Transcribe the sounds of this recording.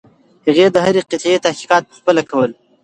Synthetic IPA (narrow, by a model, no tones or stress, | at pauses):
haɣed̪əɦaɾeqɪt̪et̪ahki̥qɑːt̪̚pə̥xpəlakʰawəl